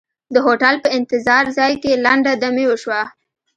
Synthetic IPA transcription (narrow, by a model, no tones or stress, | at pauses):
d̪əɦoʈalpəɪnt̪ɪzɑɾzɑjkelaɳɖad̪amewəʃwa